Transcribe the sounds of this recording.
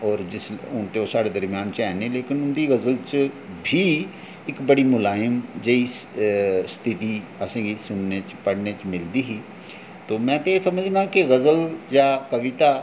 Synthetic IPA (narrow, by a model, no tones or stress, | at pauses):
ɔːɾd͡ʒɪsʊnt̪eoːsaːɽed̪əɾmijaːnt͡ʃɛːnẽleːkɪnʊnd̪iɣəzəlt͡ʃ | bʱi | ɪkbəɽimʊlaːjəmd͡ʒei | st̪ʰɪt̪iɐsẽːɡisʊnːet͡ʃpəɽnet͡ʃmɪld̪iɦiː | t̪oːmɛ̃ːt̪esɐməd͡ʒʱnakeɣəzəljakəʋɪt̪a